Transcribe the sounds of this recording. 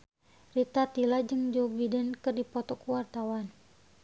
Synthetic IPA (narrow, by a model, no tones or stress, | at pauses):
rit̪at̪ilad͡ʒəŋd͡ʒobidɛnkɨrdipɔt̪ɔkuwart̪awan